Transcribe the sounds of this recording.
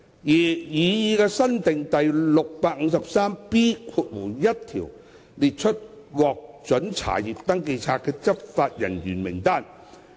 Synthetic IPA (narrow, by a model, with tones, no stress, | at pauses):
ji˨˩jiː˨˧jiː˨˧kɛː˧sɐ˥nt̪ɪ˨ŋt̪ɐ˨jlʊ˨k̚paː˧k̚ŋ̩˨˧sɐ˨p̚saː˥mpiː˥kʰuː˧t̚wuː˨˩jɐ˥t̚t̪ʰḭː˨˩w | liː˨t̚t͡ʃʰɵ˥t̚ | wɔː˨k̚t͡sɵ˨˥nt͡sʰa̰ː˨˩jiː˨˩p̚t̪ɐ˥ŋke˧jt͡sʰaː˧t̚kɛː˧t͡sɐ˥p̚faː˧t̚jɐ˨˩njyː˨˩nmɪ˨˩ŋt̪aː˥˩n